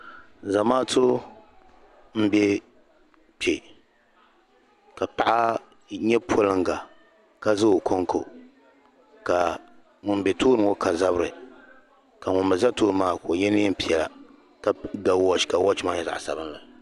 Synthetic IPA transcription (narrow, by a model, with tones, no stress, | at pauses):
za˨maː˦tʰo˦ | m̩˦bɛ˦ | pe˨ | ka˨pa˦ʔa˦ | ɲɛ˦pʰo˦lɨ˦ŋɡa˨ | ka˦zɨ˦o˨kʰo˦ŋkʰo˨ | ka˨ | ŋʊ˨nbɛ˨toː˦ɾɨ˨˦ŋo˦kʰa˨za˦bɨ˦ɾɨ˨ | ka˨ŋʊ˨mbɨ˨za˦toː˦ɾmaː˦˨ko˨jɛ˦nɨ˦ɛ˦pi˨ɛ˨la̰˨ | ka˨ɡa˨wɔ˦t͡ʃka˨wɔ˦t͡ʃɪ˦maː˦ɲɛ˦za̰˨ʔsa̰˨bɨ˦nla˨